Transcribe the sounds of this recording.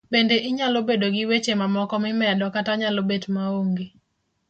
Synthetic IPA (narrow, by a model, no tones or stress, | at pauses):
bendeʔɪɲalobedoɡɪwet͡ʃemamɔkɔmɪmɛdɔkataɲalobetmaoŋɡe